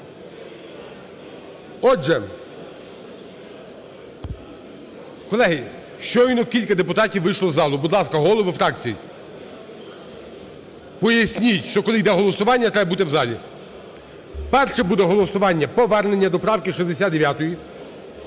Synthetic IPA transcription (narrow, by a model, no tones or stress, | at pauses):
ɔʒɛ | kɔlˠɛɦɪ | ʃt͡ʃɔjnɔkʲilʲkɐd̪epʊt̪ɑtʲiwːɪʃlˠɔzɑlˠʊbʊd̪lˠɑskɐɦɔlˠɔʋɪfɾɑk̚t͡sʲijḭ | pɔjɐsʲnʲitʲʃt͡ʃɔkɔlˠɪjd̪ɛɦɔlˠɔsʊʋɑnʲːɐt̪ɾɛbɐbut̪ɪwzɑlʲḭ | pɛrʃɛbud̪ɛɦɔlˠɔsʊʋɑnʲːɐpɔʋɛrnenʲːɐd̪ɔpɾɑwkʲɪʃizd̪esʲad̪d̪eʋʲjat̪ɔji